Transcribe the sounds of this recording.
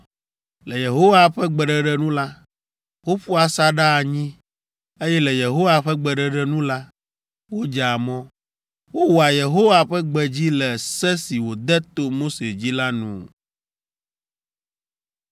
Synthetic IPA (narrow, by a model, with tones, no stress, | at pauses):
lɛ˨je˨ɦo˦wa˨ɸɛ˦ɡ͡bɛ˨ɖɛ˨ɖɛ˦nũ˦la˦ | wo˦ɸu˦a˨sa˦ɖa˦˨ɲĩ˦ | e˦jɛ˦lɛ˨je˨ɦo˦wa˨ɸɛ˦ɡ͡bɛ˨ɖɛ˨ɖɛ˦nũ˦la˦ | wo˦d͡ʒa˨mɔ̃˦ | wo˦wɔ˨a˨je˨ɦo˦wa˨ɸɛ˦ɡ͡bɛ˨d͡ʑi˦lɛ˨sɛ˦si˨wo˨d̪ɛ˦t̪o˦mo˦se˨d͡ʑi˦la˦nṵ̃˨